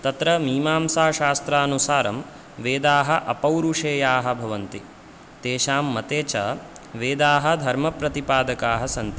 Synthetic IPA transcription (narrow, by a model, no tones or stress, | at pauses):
t̪ɐt̪ɾɐmiːmaːmsaːʃaːst̪ɾaːɐnusaːɾɐm | ʋeːd̪aːɦɐʔɐpɐwɾuʂeːjaːɦɐ̆bʱɐʋɐnt̪i | t̪eːʃaːmːɐt̪eːt͡ʃɐ | ʋeːd̪aːɦɐ̆d̪ʱɐɾmɐpɾɐt̪ipaːd̪ɐkaːɦɐsɐnt̪i